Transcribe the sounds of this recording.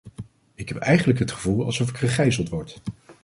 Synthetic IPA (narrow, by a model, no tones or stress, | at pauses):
ɪkɦɛpɛjχənləkɦətχəvulˠɑ̰lˠsɔfɪkχəχɛjzəlˠtʋɔɹt